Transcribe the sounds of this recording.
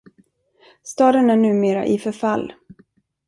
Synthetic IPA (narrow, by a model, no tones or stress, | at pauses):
st̪ɑːd̪ənæɳʉ̟ːmeːɾa̰ʔɪfœɾfalː